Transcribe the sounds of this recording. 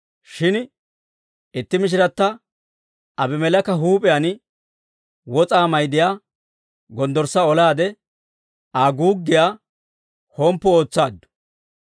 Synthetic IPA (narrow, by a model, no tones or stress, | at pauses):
ʃɪn | ɪt̪ːɪmɪʃ̬ɪɾɐt̪ːɐ | ɐbɪmɛlɐkːɐɦuːpʼɪjaːn | wɔt͡sʼaːmɐjd̪ɪjaː | ɡɔnd̪ɔɾsːɐɔlaːd̪ɛ | aːɡuːɡːɪjaː | hɔmpːɔo̞ːt͡sːaːd̪ːʊ̥